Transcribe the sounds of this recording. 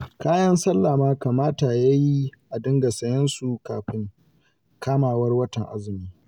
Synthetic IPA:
kaː˦jɐ˦nsɐ˦lːa˨maː˦ka˨maː˦ta˨ja˦ji˦ʔa˨dɪ˦ŋɡa˨sɐ˦jɐ˦nsu˨kaː˨ɸɪ˦ŋ | kaː˦maː˨wɐ˦rwɐ˦tɐ˨ŋʔa̰˦zɪ˨miː˦

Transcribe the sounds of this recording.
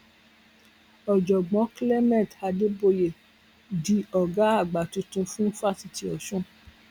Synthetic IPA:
ɔ˨d͡ʒɔ˨ɡ͡bɔ̃˨˦kle˦mɛ̃˦˨tha˧de˦bo˧˨je˨ | di˨˦ɔ˨ɡa˨˦a˦˨ɡ͡ba˨tũ˨˦tũ˧fũ˦fa˦˨si˨ti˧˦ɔ˨ʃũ˦

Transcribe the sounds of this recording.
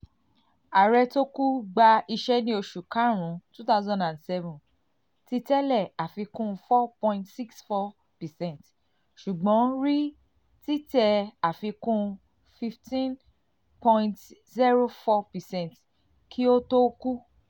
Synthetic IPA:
a˨ɾɛ˧to˦ku˦ɡ͡ba˧i˧ʃɛ˦nĩ˧˦o˧ʃu˨kã˨˦ɾ̃ũ˨˦tu˦ta˦zɔ̃˧ndã˨ndsɛ˦vũ˨ | ti˧tɛ˦lɛ˦˨a˨fi˧kũ˦fɔ˦pɔ̃˧ĩ˧ntsi˦ksfɔ˧ | pɛ˨sɛ̃˦˨t | ʃu˨ɡ͡bɔ̃˨˦ɾi˦ | ti˦tɛ˧a˨fi˧kũ˦ | fi˧ftĩ˦n | pɔ̃˧j̃nt | zi˦ɾo˦fɔ˧pɛ˨sɛ̃˦˨nt | kʰi˦o˦to˦ku˦

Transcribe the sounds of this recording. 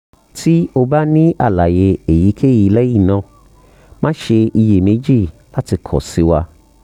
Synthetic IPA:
ti˦o˧ba˦nĩ˦ʔa˦˨la˨je˨˧e˨ji˨˦kʰe˦˨ji˨˦lɛ˦ji˦˨nã˧ | mã˦ʃe˧ʔi˧je˨mẽ˨˦d͡ʒi˦˨la˦ti˧kʰɔ̰˨si˨˦wa˧

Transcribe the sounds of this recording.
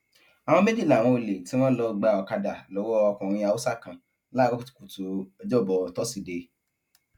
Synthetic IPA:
a˨w̃ɔ̃˧me˦di˦˨la˨w̃ɔ̃˧o˨le˨ti˨˦w̃ɔ̃˦lɔ˧ɡ͡ba˧ɔ˧ka˧da˨lɔ˨˦wɔ˦ɔ˧kɔ̃˨ɾ̃ĩ˧a˧˨wu˦sa˦˨kã˨ | la˦˨ɡɔ˦ku˦tu̥˨ku˨to˨ɔ˧d͡ʒɔ˦˨bɔ˨˦tɔ˦si˨de˧

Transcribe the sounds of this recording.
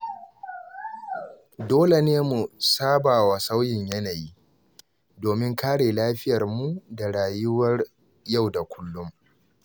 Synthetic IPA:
doː˦le˨neː˦mu˨saː˦baː˨wa˨sa˦wjɪ˨ɲjɐ˦naː˨jiː˦ | doː˨mɪ˦ŋkʰaː˦ɽeː˨laː˦ɸɪ˦jɐ˨rmu˦da˨ɽaː˨jʊ˦wɐ˦r | ja˦˨wda˨kʷʊ˦lːʊ˦m

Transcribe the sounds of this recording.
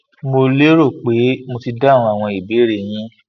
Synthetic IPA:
mo˧le˦ɾo˦˨k͡pe˨˦mo˧ti˧da˦˨ɾũ˧a˨w̃ɔ̃˧i˨be˨˦ɾe˧j̃ĩ˦

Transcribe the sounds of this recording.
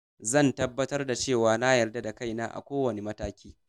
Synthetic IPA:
zɐ˦˨ntɐ˦bːɐ˦tɐ˦rda˨t͡ʃeː˦˨waː˨na˦jɐ˨rda˦da˨ka˦˨jnaː˦ʔa̰˨kʷoː˦wɐ˨ne˨mɐ˦taː˦kʲiː˦

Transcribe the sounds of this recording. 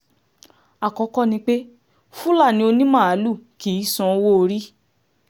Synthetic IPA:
a˨kɔ˨˧˦kɔ˦nĩ˧k͡pe˦ | fu˦la˦˨nĩ˧˦o˧nĩ˦mã˦˨a˨˦lu˦˨kiː˨˦sɔ̃˧˦˧wo˦˧ɾi˦

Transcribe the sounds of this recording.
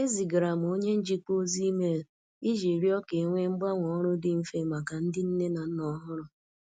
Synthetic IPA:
e˦zi˨ɡɾa˨m˨o˦ɲe˦n̩˦d͡ʒi˦k͡po˦zi˦me˦˨l | i˦ʒe˨ɾi˦ɔ˦ke˨ŋʷe˦ŋ͡m̩˦ɡ͡ba˦ŋʷɔ˨˦ɾʊ˦dɪ˨˦m̩˦fe˦ma˨ka˨n̩˦dɪ˦n̩˦ne˦na˨n̩˦nɔ˦ɦʊ˦ɾʊ˨

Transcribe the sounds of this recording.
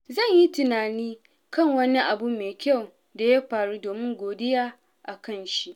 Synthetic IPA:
zɐ˦˨ɲji˦tɪ˨naː˨niː˦ | kɐ˦˨ŋwɐ˦ni˦ʔa˨bu˦meː˨kʲɐ˦˨w | da˨ja˦ɸaː˨ɽu˦doː˨mɪ˦ŋɡʷoː˨dɪ˦jaː˦ | ʔa˨kɐ˦˨nʃi˦ʔ

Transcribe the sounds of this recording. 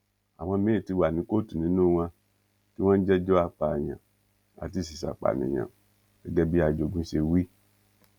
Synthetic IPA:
a˨w̃ã˧˦me˦i˨ti˧˦wa˨nĩ˨˦ko˦tu˨nĩ˨˦nũ˦˨wã˧ | ti˦w̃ã˦n˦d͡ʒɛ˦d͡ʒɔ˦a˧k͡pa˨ɲã̰˨ | a̰˨t̬i˦˨s̬i˨sa̰˨k͡pa̰˨nḭ̃˨ɲã̰˨ | ɛ˦ɡɛ˦bi˦a˨d͡ʒo˨ɡũ˦se˧wi˦

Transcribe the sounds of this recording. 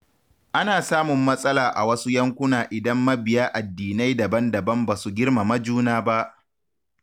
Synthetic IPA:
ʔa˦naː˨saː˦mʊ˨mːɐ˦sʼɐ˦laː˨ʔa̰˨wɐ˦su˦jɐ˦ŋkʷʊ˦naː˨ʔɪ˨dɐ˦mːɐ˦bɪ˨jaː˦ʔa˨dːiː˨na˦jdɐ˨bɐ˦ndɐ˨bɐ˦mbaː˨su˨ɡʲɪ˦rma˨mɐ˦d͡ʒuː˦naː˦ba˦ʔ

